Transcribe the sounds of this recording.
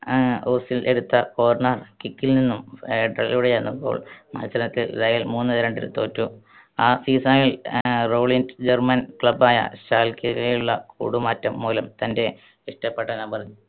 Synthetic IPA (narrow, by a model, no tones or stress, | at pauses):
oːsile̞ɽut̪ːɐkoːɐrɳɐrkikːilninːumeɖrɐ̰l̰luɽejenːumbo̰ːɭmɐ̰nɕɐɐnɐt̪ːiɾɐjɐlmuːnːɨɾeɳɖilṵt̪o̞ːtːu | aːsiːsaːjilro̞ːɭindd͡ʑermɐnkɭɐbaːjɐ̰ɕaːlkiɾɐjuɭːɐkṵːɽumaːtːɐmːuːlɐmt̪ɐnde̞ | iʂʈɐpːeʈːɐnɐmpɐrɐɲːu